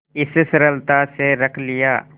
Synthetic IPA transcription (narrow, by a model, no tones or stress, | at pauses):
ɪssɾəlt̪aseɾəkʰlɪjaː